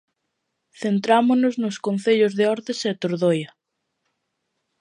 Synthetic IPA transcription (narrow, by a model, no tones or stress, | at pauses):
θent̪ɾamʊnʊznʊskon̟θeʎʊzðeɔɾðeset̪oɾðojɐ